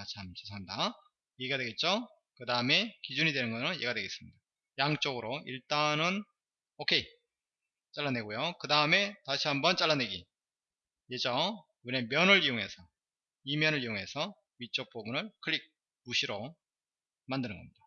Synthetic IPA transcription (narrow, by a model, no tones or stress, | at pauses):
t͡ɕʰamt͡ɕesʰaɦaɲda | jeɡiɡadwe̞ɡet̚t͡ɕ͈o | kɯdaɯme̞kid͡ʑuɲidwe̞nɯnɡʌnɯnje̞ɡadwe̞ɡe̞s͈ɯmɲid̥a | jaŋt͡ɕ͈oɡɯɾoḭɭt͈anɯn | okʰe̞ | t͡ɕ͈aɭːane̞ɡojokɯdaɯme̞taɕʰiɦambʌnt͡ɕ͈aɭːane̞ɡi | jed͡ʑʌ | ɯne̞mjʌnɯɾijoŋɦe̞̰sʰʌ | imjʌnɯɭijoŋe̞sʰʌ | ɥit͡ɕ͈ok̚p͈ʰoɡunɯɭkʰɯɾik̚ | uɕʰiɾo | mandɯnɯnŋɡʌmɲid̥a